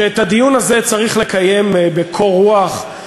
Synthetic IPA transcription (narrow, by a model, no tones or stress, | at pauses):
eːtad̪ijunaze̞t͡saʁiχle̞kaje̞mbekʰo̞ʁuaχ